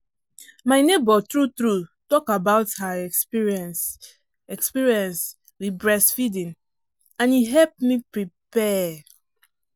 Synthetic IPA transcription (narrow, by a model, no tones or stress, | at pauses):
maɪnebɔtɹut̪ɹutɔkabaʊthaɛkspiɹiɛ̃ns | ɛkspiɹiɛ̃ns | ɹibɹɛsfidĩn | ãnjiɦɛlp̚mipɹipɛ